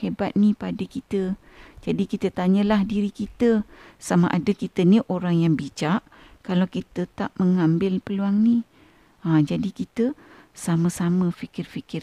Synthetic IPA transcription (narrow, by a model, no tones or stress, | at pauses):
hebat̪̚nipadəkit̪ə | d͡ʒadikit̪ət̪aɲəlahdiɾikit̪əsamaʔadəkit̪əniʔoɾaŋjaŋbit͡ʃaʔ | kalawkit̪ət̪aʔməŋambɪlpəluaŋni | ad͡ʒadikit̪əsaməsaməfikɪrfikɪr